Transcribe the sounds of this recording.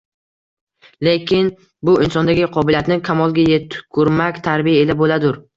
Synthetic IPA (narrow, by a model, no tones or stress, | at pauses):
le̞kʲʰɪn | bʊɪnsɒnd̪aɡʲɪqʰɒbɪlijat̪nɪkʲʰamɒlˠɡʲajet̪kʰʊɾmakʲt̪ʰaɾbijaelabolad̪ʊɾ